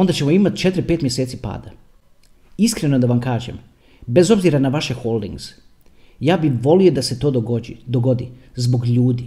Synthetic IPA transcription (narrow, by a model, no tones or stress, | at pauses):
ond̪at͡ɕe̞mo̞imat̪t͡ʃe̞t̪ɾipet̪mje̞set̪sipa̰ːd̪a | iskɾe̞nod̪aʋamkaːʒḛm | be̞zo̞bziɾanaʋaʃe̞xolˠd̪ḭŋɡz̥ | jaːbiʋo̞lio̞d̪ase̞t̪o̞ːd̪oɡo̞d̪izbo̞ɡʎuːd̪i